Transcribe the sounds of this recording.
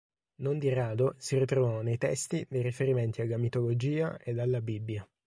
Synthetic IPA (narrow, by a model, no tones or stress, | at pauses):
nond̪iraːd̪osirit̪ɾovɔnejt̪ɛ̰st̪id̪ejrifeɾiment̪ialːamit̪olod͡ʒiːa̰ʔed̪alːabibːja